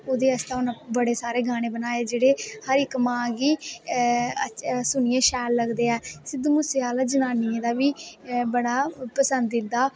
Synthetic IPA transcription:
oːd̪eːəst̪ãʊnãbəɽeːsaːɾeːɡaːɽ̃ẽːbənaːeːd͡ʒeːɽeːhəɾɪkmãːɡiː | əsʊnijẽːʃɛːlːəɡd̪eːɛːsɪd̪mʊseaːlaːd͡ʒənaːniẽːd̪aːʋiːbəɽaːpəsənd̪ɪd̪ːaː

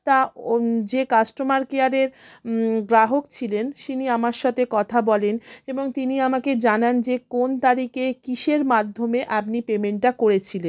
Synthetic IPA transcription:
t̪ad͡ʑekasʈomaɾkeaɾeɾ | ɡɾaɦokt͡ɕʰilenʃiniamaɾʃat̪ʰekɔt̪ʰabɔleneboŋt̪iniamaked͡ʑanand͡ʑekont̪aɾikekiʃeɾmad̪ʱːomeʔapnipemeɳʈʈːakoɾet͡ɕʰilen

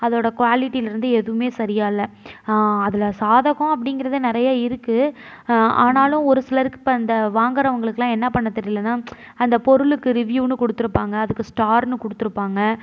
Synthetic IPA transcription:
ɐðoːɽɐkʋaːlɪʈːiɪlɪɾɯnd̪ɯɛðɯʋɯmeːsɐɾɪjaːɪlːɐ | ɐðɪlɐsaːðɐɣʊ̃ɐp̬ːɐɽɪŋɡɪɾɐðɯnɪɾɐjaːɪɾɯkːɯ | a̰ːnaːlʊ̃ɔɾɯsɪlɐɾɯkːɯ̥pːɐnd̪ɐʋaːŋɡɐɾɐʋɐŋɡɐɭɯkːlãːɛnːɐpɐɳːɐt̪ːɐɾɪlːɐnːaː | ɐnd̪ɐpɔɾɯɭɯkːɯɾɪʋjuːnɯkɔɽɯt̪ːɯɾɯpːaːŋɡɐːðɯkːɯsʈaːɾnɯkɔɽɯt̪ːɯɾɯpːaːŋɡɐ

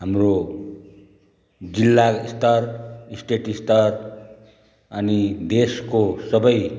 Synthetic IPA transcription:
ɦamro | d͡zilːast̪ʌrsʈeʈist̪ʌr | ʌnid̪eskosʌbʌj

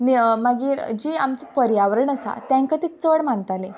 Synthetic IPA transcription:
nimaɡiːɾd͡ʑiːamt͡səpəɾjaʋɾəɳəsa̰t̪jãŋkat̪it͡səɽm̤əɳt̪ale

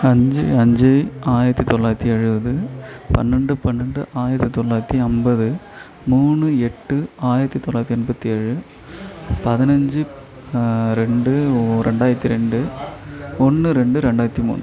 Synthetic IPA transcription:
ɐɲd͡ʒɯɐɲd͡ʒɯaːjɪɾɐt̪ːit̪ɔɭːaːjɾɐt̪ːiɛɻɯʋɐðɯpɐ̰nːɐɳɖɯpɐnːɐɳɖɯʔaːjɪɾɐt̪ːit̪ɔɭːaːjɾɐt̪ːiɐmbɐðɯ | muːnɯɛʈːɯaːjɪɾɐt̪ːit̪ɔɭːaːɾt̪ːiɐɛnbɐt̪ːiɛɻɯ | pɐðɪnɐɲd͡ʒɯ | ɾɛɳɖɯɾɛɳɖaːjɾɐt̪ːiɾɛɳɖɯ | ɔnːɯɾɛɳɖɯɾɛɳɖaːjɪɾɐt̪ːimṵːn

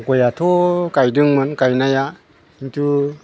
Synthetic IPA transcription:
kojatʰokajdɯŋmɯnkajnaja | iŋtʰu

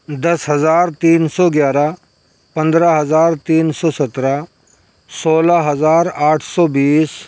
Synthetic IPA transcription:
d̪ɐsɦɐzaːɾt̪iːnsɔːɡjaːɾa | pɐ̃nd̪ɾaɦɐzaːɾt̪iːnsɔːsɐt̪ɾa | soːlaɦɐzaːɾaːʈʰsɔːbiːs

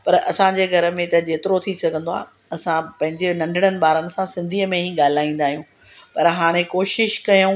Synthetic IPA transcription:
pɐɾɐsãd͡ʑeːɡʱɐɾə̆mẽt̪ɐd͡ʑeːt̪ɪɾot̪ʰisɐɡʱə̃nd̪oa̰ː | ɐsãpɐ̃ɦɪ̃ɲd͡ʑenɐ̃ɳɖʱɪɽ̃ənɪ̆ɓaːɾənɪ̆sãsɪ̃nd̪ʱiːəmẽɦiɠaːl̤aːĩːnd̪aːɦijũː | pɐɾɦaːɽ̃ekoːʃɪʃkɐjũ

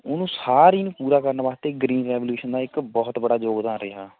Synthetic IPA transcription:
ʊnũːsaːɾiːnũːpuːɾaːkəɾnaːbaːst̪eːɡɾiːnɾɛːʋljuːʃənd̪aːɪkbɔːt̪bəɽaːd͡ʒoːɡd̪ãːnɾɪɦaː

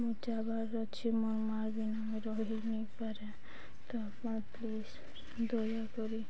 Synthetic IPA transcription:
mut͡ʃaba | ɔt͡ʃʰimoɾmaɾbinameɾɔɦinipaɾe | t̪ɔapaɾplis | d̪ojakɔɾi

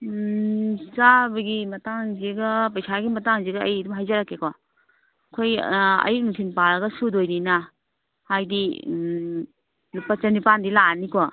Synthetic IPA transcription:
sabɐɡimɐtaŋzeɡapɐjsaɡimɐtaŋzeɡɐɐjdumɦajzaɾakːekɔ | kʰojɐ̰jnutʰinpaɾɐɡɐsudojnina | hajdi | lupɐt͡ʃɐnipandilanikɔ

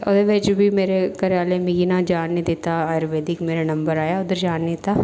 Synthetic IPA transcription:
o̰d̪eʋet͡ʃbʱiːmeːɾekəɾjaːlemiɡinãːd͡ʒaːnːĩd̪ɪt̪aːaːjɾʋeːd̪ɪkmeːɾenəmbəɾaːjaːʊd̪əɾd͡ʒaːnːit̪aː

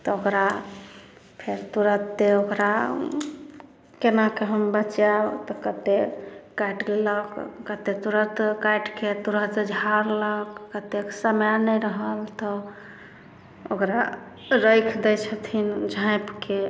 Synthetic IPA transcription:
t̪ɔokɾa | pʰeɾt̪uɾət̪ːeokɾa | kenakeɦəmbət͡ʃat̪ɔkət̪ekajʈleləkːət̪et̪uɾət̪kajʈket̪uɾət̪d͡ʒʱaɾləkːət̪eksəmjanəɾəɦəlt̪ɔ | okɾa | ɾəjkʰd̪ɛjt͡ʃʰət̪ʰind͡ʒʱãjpke

